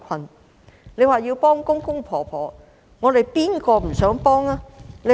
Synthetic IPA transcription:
kʰɐ˨˩n | le˨˧jwaː˨jiː˧wpɔː˥ŋkʊ˥ŋkʊ˥ŋpʰɔː˨˩pʰɔː˨˩ | ŋɔː˨˧d̪e˨˩jpiː˥nkɔː˧m̩˨˩sœː˨˥ŋpɔː˥ŋaː˥le˨˧

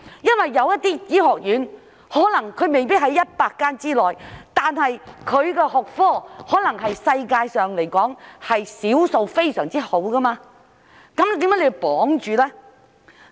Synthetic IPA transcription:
jɐ˥nwɐ˨jːɐ˨˧wjɐ˥t̪iː˥t͡siː˨˥hɔː˨k̚jyː˨˥n | hɔː˨˥lɐ˨˩ŋkʰɵ˨˧ɥme˨jpiː˥ɦɐ˨˥jːɐ˥t̚paː˧kːaː˥nt͡siː˥lɔː˨jt̪aː˨nhɐ˨jkʰɵ˨˧ɥkɛː˧ɦɔː˨k̚fɔː˥hɔː˨˥lɐ˨˩ŋɦɐ˨jsɐ˧jkaː˧jsœː˨ŋle˨˩jkɔː˨˥ŋhɐ˨jsiː˨˥wso˨˧wfe˥jsœː˨˩ŋt͡siː˥ho˨˥wkɐ˥maː˧ | kɐ˨˥mt̪iː˨˥mːkːaː˨˥le˧pɔː˨˥ŋt͡ʃyː˨lɛː˥

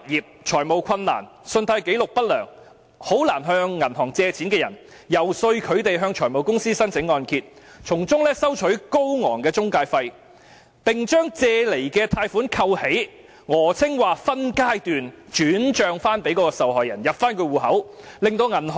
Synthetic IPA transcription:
t̚jiː˨p̚t͡ʃʰɔː˨˩jmo˨wkʰɐ˧nːa̰ː˨˩nsɵ˧nt̪ʰɐ˧jke˨˥jlʊ˨k̚pɐ˥t̚lœː˨˩ŋ | ho˨˥wlaː˨˩nɦœː˧ŋːɐ˨˩nɦɔː˨˩ŋt͡sɛː˧t͡sʰiː˨˥nkɛː˧jɐ˨˩n | jɐ˨˩wsɵ˧ɥkʰɵ˨˧ɥt̪e˨jɦœː˧ŋt͡ʃʰɔː˨˩jmo˨wkʊ˥ŋsiː˥sɐ˥nt͡sʰɪ˨˥ŋːɔː˧nkʰiː˧t̚t͡ʃʰʊ˨˩ŋt͡sʊ˥ŋlɛː˥sɐ˥wt͡ʃʰɵ˨˥ɥko˥wŋɔː˨˩ŋkɛː˧t͡sʊ˥ŋkaː˧jfɐ˧j | pɪ˨ŋt͡ʃœː˥ŋt͡sɛː˧le˨˩jkɛː˧t̪ʰaː˧jfuː˨˥nkʰɐ˧whe˨˥j | ŋɔː˨˩t͡sʰɪ˥ŋwaː˨˩fɐ˥nkaː˥jt̪yː˨nt͡ʃyː˨˥nt͡ʃœː˨ŋfaː˥npe˨˥jkɔː˧˥kɔː˧sɐ˨wɦɔː˨jɐ̰˨˩njɐ˨p̚faː˥nkʰɵ˧ɥwuː˨˩hɐ˨˥wlɪ˨ŋt̪o˧wŋɐ˨˩nɦ

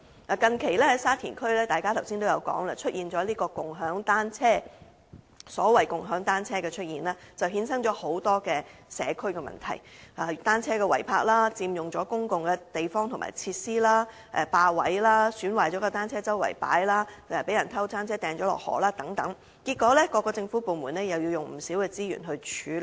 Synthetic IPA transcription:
laː˨kɐ˨nkʰe˨˩jlɛː˥hɐ˨˥jsaː˥t̪ʰiː˨˩nkʰɵ˥ɥlɛː˥t̪aː˨jkaː˥t̪ʰɐ˨˩wsiː˥nt̪o˥wjɐ˨˧wkɔ̰ː˨˥ŋla˧t͡ʃʰɵ˥t̚jiː˨nt͡ʃɔː˨˥liː˥kɔː˧kʊ˨ŋɦœː˨˥ŋt̪aː˥nt͡sʰɛː˥ | sɔː˨˥wɐ˨jkʊ˨ŋɦœː˨˥ŋt̪aː˥nt͡sʰɛː˥kɛː˧t͡ʃʰɵ˥t̚jiː˨nlaː˥t͡sɐ˨˩wɦiː˨˥nsɐ˥ŋt͡ʃɔː˨˥ho˨˥wt̪ɔː˥kɛː˧sɛː˨˧kʰɵ˥ɥkɛ˧mɐ̰˨˩nt̪ʰɐ̰˨˩jʔaː˨˩t̪aː˥nt͡sʰɛː˥kɛ˧wɐ˨˩jpʰaː˧k̚laː˥t͡siː˧mjʊ˨ŋt͡ʃɔː˨˥kʊ˥ŋkʊ˨ŋkɛː˧t̪e˨jfɔː˥ŋt̪ʰʊ˨˩ma̰ː˨jt͡sʰi˧t̚siː˥laː˥ | ʔɛ˨˧paː˧wɐ̰˨˥jlaː˥syː˨˥nwaː˨˩jt͡ʃɔː˨˥kɔ˧t̪aː˥nt͡sʰɛː˥t͡sɐ˥wɐ̰˨˩jpa̰ː˨˥jlaː˥ɛ˨˧pe˨˥jɐ˨˩nt̪ʰɐ˥wt͡saː˥nt͡sʰɛː˥t̪ɛː˨˧ŋt͡ʃɔː˨˥lɔ̰ː˨k̚hɔ̰ː˨˩laː˥t̪ɐ˨˥ŋt̪ɐ˨˥ŋ | kiː˧t̚kːɔː˨˥lɛ˥kɔː˧kːɔː˧t͡sɪ˧ŋfu˨˥puː˨˩muː˨˩nɛː˥jɐ˨wjiː˧wjʊ˨ŋm̩˨˩siː˨˥wkɛː˧t͡siː˥jy̰ː˨˩nɦɵ˧ɥt͡ʃʰyː˨˥

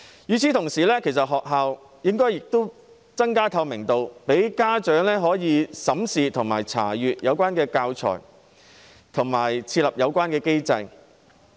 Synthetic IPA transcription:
jyː˨˧t͡sʰiː˨˥t̪ʰʊ˨˩ŋsiː˨˩lɛː˥kʰe˨˩jsɐ˨t̚ɦɔː˨k̚ɦaː˨w | jɪ˥ŋkɔː˥jɪ˨k̚t̪o˥w | t͡sɐ˥ŋkaː˥t̪ʰɐ˧wmɪ˨˩ŋt̪o˧wpe˨˥jkaː˥t͡ʃœː˨˥ŋlɛː˥ɦɔː˨˥jiː˨˧sɐ˨˥msiː˨t̪ʰʊ˨˩ŋmaː˨˩jt͡sʰa̰ː˨˩jyː˨t̚jɐ˨˧wkʷaː˥nkɛː˧kaː˧wt͡sʰɔ̰ː˨˩j | t̪ʰʊ˨˩ŋmaː˨˩jt͡sʰiː˧t̚lɐ˨p̚jɐ˨˧wkʷaː˥nkɛː˧ke˥jt͡sɐ˧j

